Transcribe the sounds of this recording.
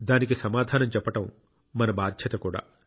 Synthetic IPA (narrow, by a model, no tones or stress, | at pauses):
d̪aːnikisɐmaːd̪ʱaːnɐmt͡ʃɛpːɐʈɐmː | ɐnɐbaːd̪ʱjɐt̪ɐkuːɽa̰ː